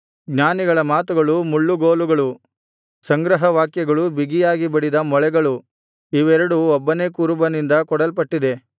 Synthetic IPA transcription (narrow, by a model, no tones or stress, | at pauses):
ɡɲaːniɡɐɭɐmaːt̪uɡɐɭumuɭːuɡoːluɡɐɭu | sɐŋɡɾɐɦɐʋaːkjɐɡɐɭubiɡijaːɡibɐɽid̪ɐmɔɭɛɡɐɭu | iʋɛɾɐɽuɔbːɐne̞ːkuːɾubɐnind̪ɐkɔɽɐlpɐʈːid̪e̞